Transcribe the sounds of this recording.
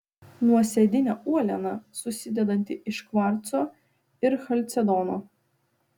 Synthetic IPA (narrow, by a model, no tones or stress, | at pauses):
nuɔsʲɛd̪ʲɪnʲɛuɔlʲɛnɐsʊsʲɪd̪ʲɛd̪ɐnʲt̪ʲɪʔɪʃkʋɑɾt̪soː | ɪɾxɐlʲt̪sʲɛd̪ɔnoː